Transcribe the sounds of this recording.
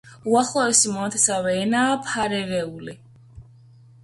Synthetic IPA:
uaχlˠɔɛsimɔnat̪ʰɛsavɛːnaːpʰaɾɛɾɛuli

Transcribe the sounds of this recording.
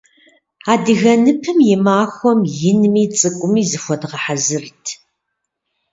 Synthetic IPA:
aːdɨɣɐnɨpʰɨmjɪmaːxʷɔmjɪnmiːt͡sʼɨkʷʼʊmiːzɨxʷɔdʁɐħazɨrtʰ

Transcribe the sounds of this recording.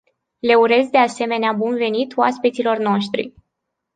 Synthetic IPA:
le̞uɾe̞zd̪e̞ase̞me̞neabunve̞nit̪uaspit̪silo̞rno̞ʃt̪ɾḭ

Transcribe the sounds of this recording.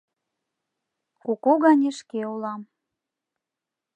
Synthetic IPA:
kokoɣɑnʲeʃkeulɑm

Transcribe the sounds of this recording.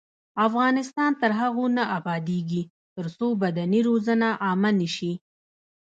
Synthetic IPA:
afɣɑnɪst̪ɑnt̪əɾɦaɣonaʔabɑd̪eɡi | t̪əɾsobad̪aniɾozanaʔɑmaniʃi

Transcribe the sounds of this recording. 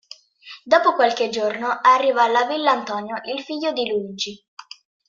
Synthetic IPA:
d̪ɔːpokwalked͡ʒornoarːiːvalːavilːaːnt̪ɔnjoʔilfiʎːod̪iluid͡ʒi

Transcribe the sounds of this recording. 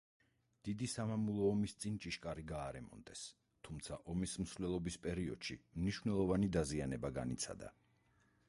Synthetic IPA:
d̪̥id̪isamamulˠɔːmist̪sʼint͡ʃʼiʃkʼaɾiɡaːɾɛmɔ̰nd̪ɛs | t̪ʰumt̪sʰaʔɔmism̩svlɛlˠɔbispʼɛɾiɔ̰d̪̥ʃḭmniʃvnɛlˠɔvanid̪azianɛbaɡa̰nit̪sʰa̰d̪a̰

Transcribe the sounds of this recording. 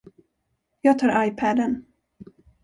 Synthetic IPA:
jɑːɡ̚t̪ʰɑːɾʔajpʰæd̪ən

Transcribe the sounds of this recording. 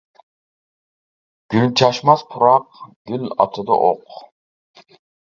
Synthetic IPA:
ɡ̥ylt͡ʃʰɑʃmɑspʰuɾɑqɡ̥ʲylɑ̰t̪ʰəd̪a̰ʔoq

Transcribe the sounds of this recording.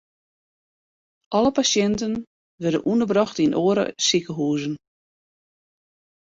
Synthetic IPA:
ʔɔləpasjɛntən | ʋɛrdə̰nʔundərbrɑxtinʔoːəɾə̰sikəɦuːzən

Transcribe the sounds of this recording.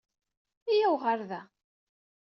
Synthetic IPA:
ijæwʁaɾðæ

